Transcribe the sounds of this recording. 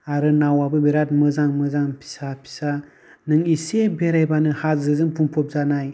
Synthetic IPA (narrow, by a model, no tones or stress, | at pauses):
aɾənawabəbeɾat̚məzaŋməzaŋpi̥sapi̥sa | nɨŋisebeɾajbanəhazəzɨnpumpop̚zanaji